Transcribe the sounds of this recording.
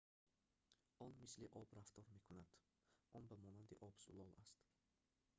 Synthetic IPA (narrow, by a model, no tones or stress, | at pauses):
ɔnmisliʔɔbɾaft̪ɔɾmekʰunad̪̥ | ʔɔnbamɔnand̪iʔɔbsṵlɔlast̪